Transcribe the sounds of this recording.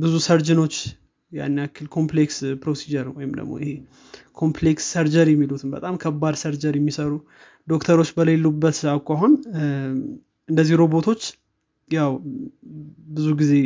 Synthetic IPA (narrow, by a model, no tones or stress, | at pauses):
bɨzusəɾd͡ʒɨno̞t͡ʃː | ja̰nːakʰːɨlkʰo̞mplekspɾo̞sid͡ʒəɾnəwɔjɪmd̪ə̰ɡmo̰jɪhe̞ | kʰo̞mpleksːəɾd͡ʒəɾjɛmːilut̪ʰɨnbə̰t̪ʼamkʰəbːad̪səɾd͡ʒəɾjɛmːisəɾu | d̪o̞kt̪ʰəɾo̞t͡ʃːbəlelːubːət̪awkʼaɦun | ɨnd̪əziɾo̞bo̞t̪ʰo̞t͡ʃː | jaw | bɨzuɡize̞